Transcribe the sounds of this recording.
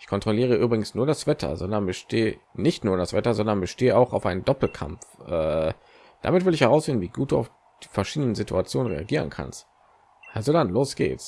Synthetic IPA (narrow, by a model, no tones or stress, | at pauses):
ʔɪçkʰɔntʁ̥oliːʁ̞əʔyːbʁɪɡŋ̩snuːɐɾasv̥ɛtʰɐ̰zɔndɐnbəʃtʰeːənɪçtnuːɐɾasv̥ɛtɐzɔndɐnbəʃteːəaʊxaʊfʔaɪnəndɔpl̩kʰa̰mfʔɛː | d̥a̰mɪtv̥ɪlɪçhɛʁaʊsfɪndn̩viːɡuːt̚d̥ṵːa̰ʊf | d̥i̥ːfɛɐʃiːdənəzitʰuat͡sjoːnənʁḛaɡiːʁ̞ənkʰa̰nst | ʔalzodanloːsɡ̥ḛːtst